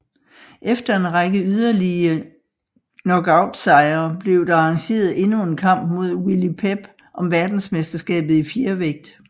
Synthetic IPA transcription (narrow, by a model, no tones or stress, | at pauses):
ʔefd̥ɐe̝nʁɑɡ̥əyð̞ˠɐliə | nɒ̽ɡ̥ɑ̈ʊd̥sɑ̈ɪɐːb̥le̝ʊd̥ɑ̈ɑɑ̈ŋɕe̝̰ːɐð̞̩ˠe̝nue̝nkʰɑ̈m̰b̥mo̝ð̞̰ˠwilipʰeb̥ | ʔɒ̽mʋæɐd̥n̩smesd̥ɐsɡ̥ɛ̰ːb̥ð̩ˠifje̝ɐʋeɡ̥̚d̥